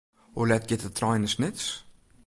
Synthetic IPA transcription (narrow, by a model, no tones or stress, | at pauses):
ɔlɛt̚ɡɛtət̪ʰɾajnəsnɪts